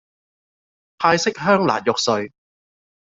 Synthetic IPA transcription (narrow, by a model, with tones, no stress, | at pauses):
pʰaː˧jsɪ˥k̚ɦœː˥ŋla̰ː˨˩t̚jɔ˨k̚sɵ˧ɥ